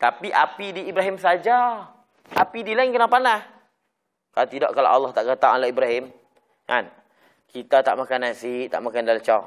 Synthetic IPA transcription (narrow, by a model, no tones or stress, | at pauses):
t̪apiʔapidiːbɾaɦimsad͡ʒa | ʔapidilaɪnkənaŋpanah | kalat̪idɔ̰ʔkala̰wʔalːɑht̪aʔɡət̪aŋalaʔibɾaɦɪm | ka̰n | kit̪at̪a̰ʔmakanansiʔt̪a̰ʔmakandalat͡ʃaw